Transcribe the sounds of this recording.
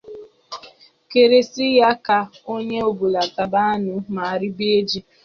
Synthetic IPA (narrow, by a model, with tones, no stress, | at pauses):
ke˨ɾe˨si˦ja˦ka˨o˦ɲe˦o˨bu˨la˨ta˨ba˦a˦nʊ˨ma˨a˨ɾi˦be˦d͡ʒi˦